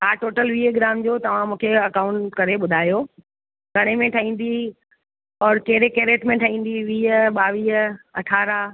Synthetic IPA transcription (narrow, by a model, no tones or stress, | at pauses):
ɦaːʈoːʈəlʋiːɦeɡɾaːmd͡ʑoːt̪ɐʋ̤ãmũːkʰeɐkaːʊ̃ɳʈkɐɾeɓʊd̪ʱaːjo | ɡʱɐɽ̃emẽʈʰɐɦĩːn̆d̪i | ɔːɾkeːɾekeːɾeːʈmẽʈʰəĩːn̆d̪iʋiːɦəɓaːʋiːɦəɐʈʰaːɾa